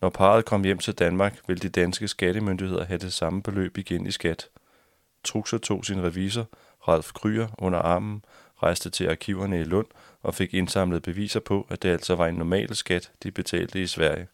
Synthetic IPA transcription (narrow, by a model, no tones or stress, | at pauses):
nɒpʰɑ̈ːð̞̩ˠkʰɒ̽m̰jem̰t͡sʰe̝ld̥ænmɑ̈ːɡ̥ʋe̝ld̥id̥ænsɡ̥əsɡ̥æɾ̥əmønd̥ihe̝ð̞̰ˠɐɦæd̥e̝sɑ̈məb̥e̝lø̰ːb̥iɡ̥enʔisɡ̥æd̥ | t͡sʰʁuɡ̥sɐt͡sʰo̝̰ːsinʁɛʋḭːs̬ɐ | ʁɑl̰fkʰʁy̰ːɐʔɔ̽n̰ɐʔɑ̈ːmn̩ | ʁɑ̈ɪsd̥ət͡sʰe̝ʔɑ̈kʰiʊ̰ɐnəilɔ̽n̰ | ʔɒ̽fe̝ɡ̥e̝nsɑ̈m̰ləð̞̩ˠb̥e̝ʋḭːsɐpʰɒ̽ʔæd̥e̝æl̰sɒ̽ʋɑ̈e̝nːɒmɛ̰ːlsɡ̥æd̥d̥ib̥e̝t͡sʰɛ̰ːld̥əisʋæɐ̰jə